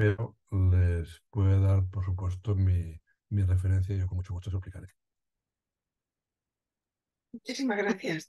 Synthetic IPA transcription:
peo | lespwe̞ðeðaɾpoɾsupwe̞st̪omi | mirefeɾe̞n̟θjaijʝokonmut͡ʃoɣust̪os̬uplikaɾeki | mut͡ʃisimazɣɾaθjas

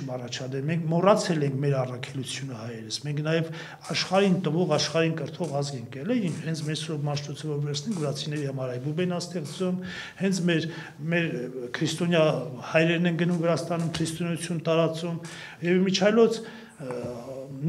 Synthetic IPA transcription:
mɑrɑt͡ʃʰɑd̪ɛlmɛŋkʰmɔrɑt͡sʰɛlɛŋkʰmɛɾɑrɑkʰɛlut͡sʰjunəhɑjɛɾəsmɛŋkʰnɑjɛv | ɑʃχɑɾint̪əvɔʁɑʃχɑɾinkəɾt̪ʰɔʁɑzɡɛŋkɛlɛjinhɛnt͡sʰmɛɾsɔmɑʃt̪ɔt͡sʰəvɔɾvɛɾt͡sʰsʰnɛŋkʰvəɾɑt͡sʰinɛɾihɑmɑɾɑjbubɛnɑst̪ɛχt͡sum | hɛnt͡sʰmɛɾ | mɛɾkʰɾist̪ɔnjɑhɑjɾɛɾnɛŋɡənumvəɾɑst̪ɑnumkʰɾist̪ɔnɑjut͡sʰjunt̪ɑɾɑt͡sum | jɛvmit͡ʃʰɑjlɔt͡sʰ | n

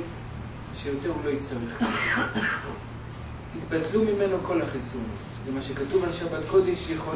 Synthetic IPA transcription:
ʃejot̪eʁulo̞istaʁeχka | hit̪batlumime̞no̞ko̞laχisun | vemaʃekatuvalʃabat̪ko̞d̪eʃjeχo

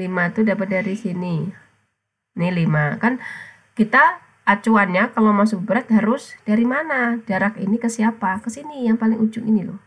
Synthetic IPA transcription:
limat̪udabat̪̚daɾisini | nɪlimakan | kit̪aː | t͡ʃuanɲakalawmas̬ʊk̚bəɾat̪̚haɾʊsd̥aɾimanadaɾakḭnikəsiapakəsinijaŋpalɪŋud͡ʒʊŋinilʊ̰h

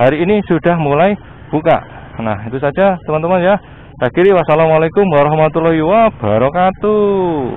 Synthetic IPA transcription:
haɾiːnisuɖ̥a̤hmulai | b̥uka̰ʔ | nahit̪usḁd͡ʒ̥at̪əmant̪əmanja | sakiɾiwasalamalekʊmwaɾɔhmat̪ulɔɦiwab̥a̤ɾokat̪u

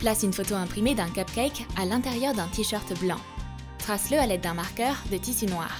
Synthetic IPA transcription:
plasynfot̪oɛ̃pχimed̪ɛ̃kapkʲɛjkalɛ̃t̪ɛʁjœʁd̪ɛ̃t̪iʃœʁt̪blɑ̰̃ | t̪χasləalɛd̪̚ːɛ̃maʁkʲœʁd̪ət̪isynwa̰ːʁ

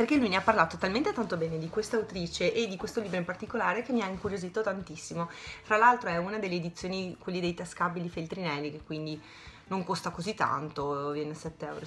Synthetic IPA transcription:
perkelujneapːarlaːt̪ot̪alment̪et̪ant̪obɛːned̪ikwest̪awt̪ɾiːt͡ʃeʔed̪ːikwest̪oliːbɾoimpart̪ikolaːɾekemːiaiŋkuɾjozit̪ot̪ant̪isːimofɾalalt̪ɾoɛunad̪elːeːd̪it̪sːjoːnikwelːid̪ejt̪askabːilifelt̪ɾinɛlːikekːwind̪i | noŋkost̪akozit̪ːa̰nt̪ovjɛːnesɛt̪ːeɛ̰wɾo

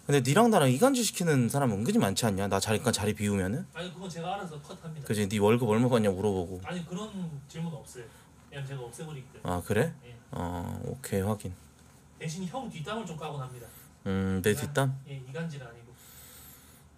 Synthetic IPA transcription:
kɯnde̞niɾaŋdaɾaŋiɡand͡ʑiɕʰi̥kʰinɯnsʰaɾamɯnɡɯd͡ʑimant͡ɕʰiaɲanat͡ɕaɾik͈at͡ɕaɾipiumjʌnɯnaɲikɯɡʌt͡ɕe̞ɡaaɾasʰʌkʰʌtʰamɲidakɯd͡ʑʰiniwʌɭɡɯbʌɭmakaɲamuɾʌboɡoaɲikɯɾʌnt͡ɕiɭmunʌp̚s͈ʌjo | et͡ɕeɡaʌp̚s͈eboɾiɡetea̰kɯɾe̞jea̰o̰kʰe̞hwaɡin | teɕʰiniçjʌɡtitamɯɭt͡ɕokaɡonɦamɲida | ɯne̞tet͈ajeiɡand͡ʑiɾɯaɲiɡo

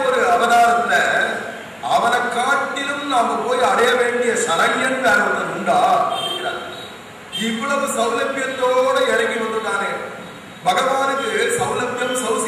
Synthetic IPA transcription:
ɔɾɯɐʋɐðaːɾɐt̪ːɪlːɐ | ɐʋɐnɐkːaːʈːɪlɯmnaːmɐpoːjɐɽɐjɐʋeːɳɖɪjɐsɐlɐjɛnd̪ɐɾɐʋɐt̪ːɐnʊɳɖaːɐðɯŋɡɪɾa̰ː | ɪʋːɐɭɐʋɯsɐʋlɐpːɪjɐt̪ːoːɽɐɛɻɐŋɡiʋɐnd̪ɯt̪ːaːneː | bɐɣɐʋaːnɯkːɯsɐmlɐk̪jɐmsɐʋs

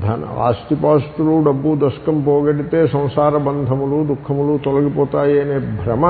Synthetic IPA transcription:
d̪ʱaːnɐ̰a̰ːst̪ipaːst̪uluɖɐbːud̪ɐskɐmpoːɡeʈit̪eːsɐ̃w̃saːɾɐbɐnd̪ʱɐmɐlud̪ukʰːɐmɐlut̪ɔlɐɡipoːt̪aːjeːnebʱɾɐmɐ

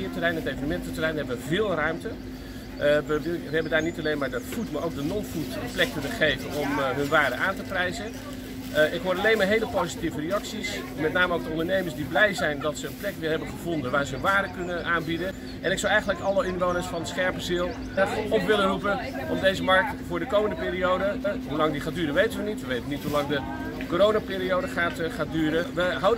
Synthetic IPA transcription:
ɪːətərɛjnɦətejvənəmɛntətərɛjnɦɛbəʋəvɪːlˠrœɥmtə | ʋəʋəɦɛbəndaːɹnitalejnmaːɹdɔtfutmaːɹowɡ̚dənɔnfutənplɛkkɵnəχejvənɔmɦɵnʋaːɹdəʔaːntəprɛjzə | ɪkɦʊːɾɑlejnmaːɹɦejləpozitivəreɑksis | mɛt̚naːməowɡ̚dəɔ̃ndənejməɹsdiblɛjzɛjndɑtsəənplɛkʋɪːɹɦɛbənχəvɔndənʋaːɹzəɦɵnʋaːdəkɵnəʔaːnbidən | ʔɛnɪksɑwɛjχənləkɑlˠəɪnʋownəɹsfɑnsχɛɹpəzilˠ | ɛʔɔpʋɪlərupəʔɔmdejzəmɑɹk̚tfʊːɹdəkowməndəpɪːɾiowdəɦulɑŋdiχaːdyːɾəʋejtənʋənitʋəʋejtənitɦulɑŋdə | koːɾownaːpɪːɾiowdəχaːtχaːt̚dyːɾəʋəɦawd

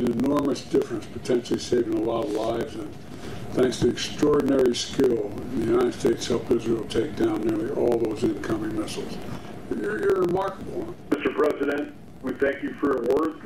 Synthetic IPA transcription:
nɨnɔɹmɨsd̥ɪfɹɨ̃nspʰətʰɛ̃nʃl̩ˠiseɪvɪ̃ŋəlɔɾʌvlaɪvzɨ̃n | θæ̃ŋkstʰɨɨkstɹ̥ɔɹdⁿn̩ɛɹiskɪlˠðɨjʉnaɪɾɨd̥steɪtshɛlˠfɪzɹil̩ˠtʰeɪk̚d̥ãʊ̃nːɪɹlˠiʔɔlˠðoʊzɪ̃nkʰʌ̃mɪ̃ŋmɪsl̩ˠz̥ | ə˞jə˞ɹɪmɑɹkəbl̩l̩ˠmɪstə˞pʰɹ̥ɛzɨɾɨ̃nt̚ | wiθæ̃ŋkjɨfə˞jə˞wɜ˞d

